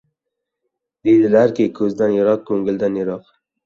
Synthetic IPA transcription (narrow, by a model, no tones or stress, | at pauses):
d̪ed̪ɪlaɾkʲɪkʰɵzd̪anjeɾɒq̚kʰɵŋɡʲɪld̪anjeɾɒq